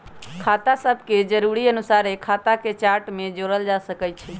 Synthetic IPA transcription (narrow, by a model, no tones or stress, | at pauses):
kʰat̪asəbʱked͡ʒəɾuɾiənusaɾekʰat̪aket͡ʃaɾʈmed͡ʒoɾəld͡ʒasəkɛt͡ʃʰɛ